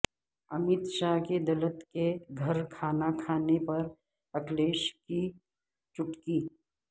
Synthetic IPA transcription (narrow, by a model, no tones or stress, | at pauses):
ɐmɪt̪ʃaɦked̪ɐlət̪keɡʱɐɾkʰaːnakʰaːnepɐɾ | ɐkleːʃki | t͡ʃʊʈkiː